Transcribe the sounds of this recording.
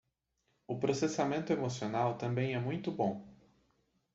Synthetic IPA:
ʊpɾosesamẽnt̪ʊemosionawt̪ɐ̃mbẽj̃ɛmũj̃t̪ʊbõ

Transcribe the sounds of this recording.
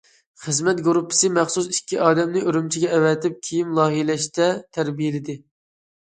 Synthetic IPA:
χəzmɛt̪ɡuɾupʰːɪ̥sɨmæχsusikʲʰːiʔɑːd̪ɛmnɪʔøɾymt͡ʃʰiɡʲɛːwɛt̪ɪp̚kʲʰijimlˠɑːɦijlɛʃt̪ɛt̪ʰæɾbijɪlɪd̪ɪ

